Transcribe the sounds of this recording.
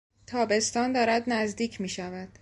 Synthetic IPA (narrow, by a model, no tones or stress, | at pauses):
t̪ʰɒːbe̞st̪ɒːnd̪ɒːɾæd̪næzd̪iːcʰmiːʃævæd̪̥